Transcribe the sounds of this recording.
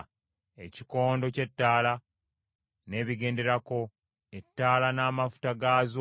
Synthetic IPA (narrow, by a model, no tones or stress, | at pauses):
e̞̰ci̥ko̞ːndoce̞tːaːla | ne̞ːβiɡe̞ːnde̞ɾako̞ | etːaːlanaːmafu̥taɡaːzo